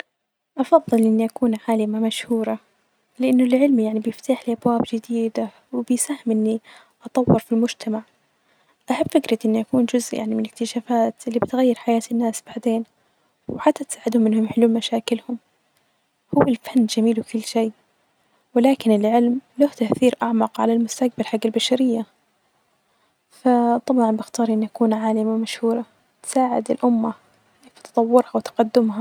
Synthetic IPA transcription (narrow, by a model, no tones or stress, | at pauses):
ʔɑfɑðˤːɨlʔɪnːiʔakuːnʕaːlɪmamaʃhuːɾˤɑ | lɪʔanːʊlʕɪlmjaʕnibjɪft̪aːħliʔabwaːbd͡ʒɪd̪iːd̪a | wɪbɪjsahːɪmʔɪnːi | ʔɑt̪ˤɑwːɪɾfilmʊd͡ʒt̪ʰamaʕ | ʔaħabːfɪkɾɪt̪ʔɪnːiʔakuːnd͡ʒʊzʔjʔa̰ʕnimɪnɪkt̪ɪʃaːfaːt̪ʔɪlːibɪt̪ɣajːɪɾħajaːt̪ɪnːaːsb̥aʕd̪eːn | wɪħat̪ːat̪saːʕɪd̪hʊmːɪnhʊmħɪluːlmaʃaːkɪlhʊm | hʊwːɪlfanːd͡ʒamiːlwɪkʊlːʃeː | wɪlaːkɪnɪlʕɪlmlaht̪aʔθiːɾʔaʕmɑqʕa̰lalmʊst̪aq̚balħaɡːalbaʃaɾɪjːa | fat̪ˤɑbʕɑnbɪxt̪ɑːɾˤʔɪnːʔakuːnʕaːlɪmawmaʃhuːɾˤɑ | t̪saːʕɪ̰d̪ɪlʔʊmːa | eft̪ɑ̥t̪ˤɑwːʊɾhawt̪ḁqad̪ːʊmha